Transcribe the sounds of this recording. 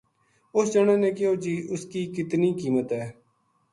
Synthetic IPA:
ʊsd͡ʒəɳ̃ẽːnẽːkɪoːd͡ʒiːʊskiːkɪt̪niːkiːmət̪ɦɛː

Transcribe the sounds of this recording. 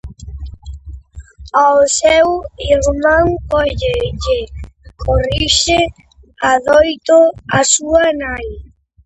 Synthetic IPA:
asɛwiɾmãŋɔʎeʎɪkʰoriʃɪ | aðɔjt̪oasuanaj

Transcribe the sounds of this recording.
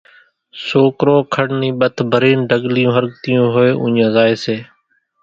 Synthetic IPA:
soːkɾoːkʰəɽnĩːɓət̪ʰbʱəɾiːnɖʱəɠlɪjũːɦəɾkt̪ijõːɦoeːʔʊ̰̃ɲãːzaːeːseː

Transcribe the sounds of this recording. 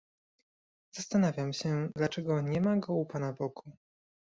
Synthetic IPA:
z̥ast̪anavʲjamɕɛd̪lat͡ʂɛɡɔɲɛmaɡɔupanabɔɡu

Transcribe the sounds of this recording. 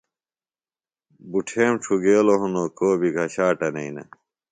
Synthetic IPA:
buʈʰeːmʈ͡ʂʰuɡeːloɦunoːkoːbʱiɡʱɐɕaːʈɐnɐinɐ̰

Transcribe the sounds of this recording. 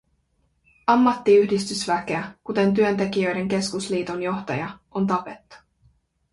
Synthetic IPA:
ɑmːɑt̪ːiyhdist̪ysʋæke̞ækut̪e̞nt̪yønt̪e̞kijø̞jde̞ŋk̟e̞skusliːt̪onjo̞xt̪ɑ̰jɑont̪ɑpe̞t̪ːu̥

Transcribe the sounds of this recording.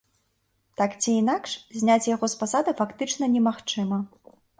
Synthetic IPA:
t̪akt͡sʲiːnakʂzʲnʲat͡sʲjaɣɔspasad̪ɨfakt̪ɨt͡ʂnɐnʲɛmaxt͡ʂɨmɐ

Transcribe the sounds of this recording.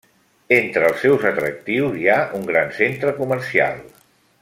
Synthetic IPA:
ent̪ɾəːlˠsːɛwzət̪ɾə̰k̚t̪iwziauŋɡɾansent̪ɾəkuməɾsia̰lˠ

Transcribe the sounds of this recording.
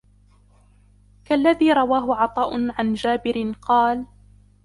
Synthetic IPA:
kalːaðiːɾˤɑwaːɦʊʕɑt̪ˤɑːʔʊʕand͡ʒaːbɪɾɪqɑːl

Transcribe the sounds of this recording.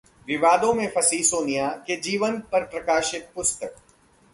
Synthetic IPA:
ʋɪʋaːd̪õmẽfʰɐsiːsoːnɪjaked͡ʒiːʋənpɐɾpɾɐkaːʃɪt̪̚pʊst̪ək̚

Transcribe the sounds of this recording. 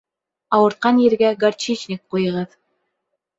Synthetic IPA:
ɑwɤ̆ɾt̪̚qɑnjɘ̆ɾɡæɡɐrt͡ɕit͡ɕnʲɪk̚qujɤ̆ʁɤð

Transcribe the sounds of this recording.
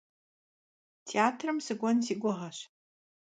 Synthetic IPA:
tʰeaːtʰrɨmsɨɡʷɔnsiːɡʷɔʁɐɕ

